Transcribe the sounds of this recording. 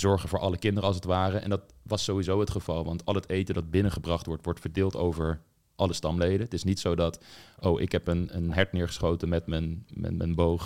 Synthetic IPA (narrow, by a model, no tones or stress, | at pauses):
z̥ɔɹχənvʊːɹʔɑləkɪndərəɑlˠs̬ətʋaːrəʔɛ̰ndɑt | ʋɑsowizowɦətχəvɑlˠʋɑntɑlˠɦətejtədɑd̚bɪnəχəbrɑχtʋɔɹtʋɔɹtfəɹdɪːlˠtowvəɹ | ʔɑləstɑmlejdətɪsnitsowdɑtowʔɪkɦɛpənənɦɛɹtnɪːɹχə̥sχowtənmɛtmənmɛ̰mə̰nbowχ